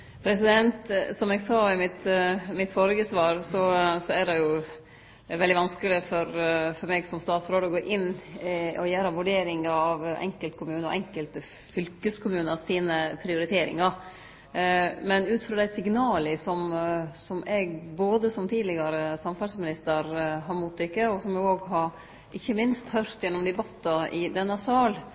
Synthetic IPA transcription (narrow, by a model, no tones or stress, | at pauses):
pʰɾɛsɪd̪ɛnt̪sɔmɛɡsɑːɪmɪt̪mɪt̪fɔɾəɡəsʋɑːɾsɔsɔæɖɛjʊ | ʋɛld̪ɪʋɑnskəlɪfɔɾfɔɾmɛɡsɔmst̪ɑːt̪sɾoːd̪əɔɡoːʔɪn | ɔjæːɾɑʋʉɖeːɾɪŋɑɑʋɛ̰ŋkəlt̪kʰʊmʉːnəɔ̰ʔɛŋkəlt̪ə | fʏlkəskʰʊmʉːnɑsiːnəpʰɾɪʊɾɪt̪ʰeːɾɪ̰ŋɑ | mɛnʉːt̪fɾɑːd̪æɪsɪɡnɑːləsɔmsɔmɛɡboːd̪əsɔmt̪ʰiːd̪lɪɡɑɾəsɑmfɑlsmɪnɪst̪əɾɦɑɾmʊt̪ːɪkːəɔsɔmɛɡoːɡɦɑɾ | ʔɪçːəmɪnst̪hœɾt̪jɛnːɔmd̪ɛbɑt̪ːɑɪd̪ɛnːəsɑːl